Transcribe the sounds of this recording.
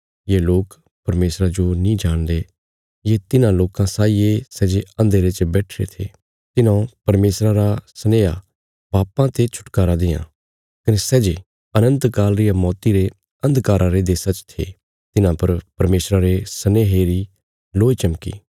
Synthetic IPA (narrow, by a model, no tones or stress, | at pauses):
jeːloːk | pɐɾmeːsɾad͡ʒonĩd͡ʒaːɽ̃d̪e | jet̪ɪnãloːkãsaːiesɛːd͡ʒeɐ̃nd̪eɾet͡ʃbɛːʈʰɾḛt̪ʰḛː | t̪ɪnãpɐɾmeːsɾaɾasɐneːa̰ | baːpãt̪et͡ʃʰʊ̥ʈkaːɾad̪eːã̰ | kɐnesɛːd͡ʒe | ɐnə̃nt̪kaːlɾɪjamɔːt̪iɾe | ɐ̃nd̪kaːɾʔãɾed̪eːsat͡ʃt̪ʰḛː | t̪ɪnãpɐɾpɐɾmeːsɾaɾesɐneːɦeɾi | loːit͡ʃɐmkḭː